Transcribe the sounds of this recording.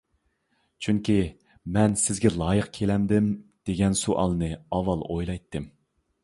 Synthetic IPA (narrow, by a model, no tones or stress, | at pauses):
t͡ʃʰyŋkʲi | mɛnsɪzɡʲɛlˠɑːjəqkʲʰelɛmd̪ɪmd̪̥eɡʲɛnsuʔɑ̰lˠɨnɨɑwːɑlˠojlˠɑjt̪ʰːɨm